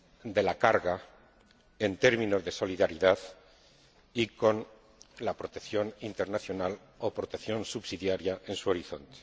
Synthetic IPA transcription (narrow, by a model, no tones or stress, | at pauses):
d̪e̞lakaɾɣa | ent̪e̞ɾmĩno̞zðe̞so̞liðaɾiðað | iko̞n | lapɾo̞t̪ekθjo̞nint̪e̞ɾnaθjo̞nal | opɾo̞t̪eθjo̞nsuβsiðjaɾjaʔe̞nsuo̞ɾiθo̞nt̪e̥